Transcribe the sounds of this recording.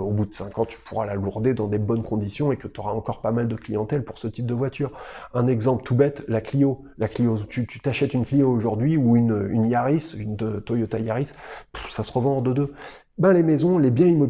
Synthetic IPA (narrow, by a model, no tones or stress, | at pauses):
obud̪əsɛ̃kɑ̃t̪y̥pʰuʁalaluʁd̪ed̪ɑ̃d̪ebɔnkʰɔ̃d̪isjɔ̃ekət̪yɔʁaɑ̃kɔʁpamald̪əklijɑ̃t̪ɛlpuʁsət̪ip̚d̪əvwat̪ʰyːʁɛ̃nɛɡzɑ̃plt̪ubɛt̪laklijo | laklijout̪yt̪ʰyt̪aʃɛt̪ynklijoːʒuʁd̪ɥiuynynjaʁisynd̪ət̪ojot̪ajaʁispsasəʁəvɑ̃ʁd̪əd̪ø | bɛ̃lemɛzɔ̃lebjɛ̃imɔ